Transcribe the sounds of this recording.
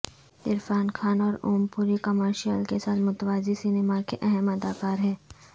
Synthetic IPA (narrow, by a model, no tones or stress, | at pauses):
ɪɾfaːnkʰaːnɔːɾoːmpuːɾikɐməɾʃijəlkesaːt̪mʊt̪ʋaːzisineːmakeʔɛɦɛmɐd̪aːkaːɾɦɛː